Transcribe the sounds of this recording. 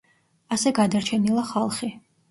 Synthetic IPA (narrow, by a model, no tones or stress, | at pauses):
asɛɡad̪aɾt͡ʃʰɛnilˠaχalˠχi